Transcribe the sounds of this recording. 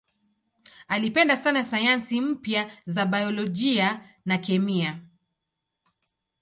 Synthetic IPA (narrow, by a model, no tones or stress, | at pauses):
alipɛndasanasajansim̩pjazaɓajɔlɔʄia | nakɛmia